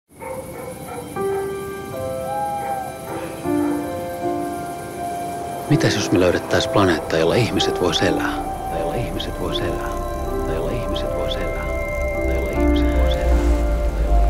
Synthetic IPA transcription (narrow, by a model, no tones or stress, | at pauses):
mit̪æsjosmeløyɾet̪ːæisplɑneːt̪ːɑːjolːɑiçmiset̪ʋo̞jselæ | t̪ɑjolːɑiçmiset̪ʋo̞jselæː | t̪ɑjolːɑiçmiset̪ʋojselæː | ɑjolːɑihmiset̪ʋo̰jselæ